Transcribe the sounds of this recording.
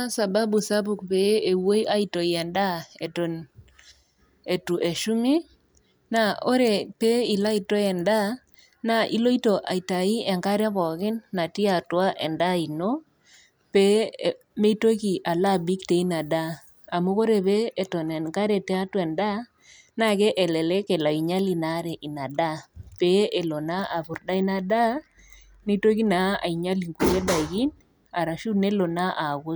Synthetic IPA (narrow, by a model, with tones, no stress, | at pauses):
a˦sa˨ba˦bu˨sa˦bu˨kpe˨˦e˨wo˦i˦ʔa˦i˦to˨jɛ˨nda˦e˨to˨n | e˨tu˨ʔe˨ʃu˦mi˦ | na˨o˦ɾe˨pe˦i˨la˦i˨to˦ɛ˨nda˦ | na˨ʔi˦lo˦i˦to˨ʔa̰˨i˨ta˨i˦ɛ˨ŋka˦ɾβɔ˨kɪ˦nːa˨ti˦a˨twa˦ʔɛ˨nda˦i˨no˦ | pe˦ | me˦to˦ki˨ʔa˨la˦˨bi˦kte˨i˦na˨da˦ | a˨mu˦ɣo˦ɾe˨βeː˦˨tɔ˨nɛ˨ŋka˦ɾe˨tɛ˦a˦twɛ˨nda˦ | na˦ke˦ʔɛ˨lɛ˨le˦ke˨la˨i˨ɲa˦li˨na˦ɾe˨ʔi˨na˨da˦pe˦e˨lo˨na˦a˨bu˨ɾda˦i˦na˨da˦ | ni˦to˦ki˦na˨˦a̰˨i˨ɲa˦li˨ŋɡu˨je˦da˨ɡi˦n | a˨ɾa˨ʃu˦ne˦lo˨na˦ʔa˨ɡo˦